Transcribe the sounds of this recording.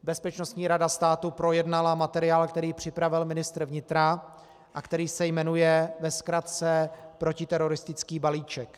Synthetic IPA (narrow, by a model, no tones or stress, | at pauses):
bɛspɛt͡ʃno̞st̪ɲiːɾadast̪aːt̪upɾo̞jɛdnalamat̪ɛɾɪaːlkt̪ɛɾiːpr̝̥ɪpɾavɪlmɪnɪst̪ɾvɲɪt̪ɾa | ʔakt̪ɛɾiːsɛjmɛnujɛvɛskɾat̪t͡sɛpɾo̞cɪt̪ɛɾo̞ɾɪst̪ɪt͡skiːbaliːt͡ʃɛk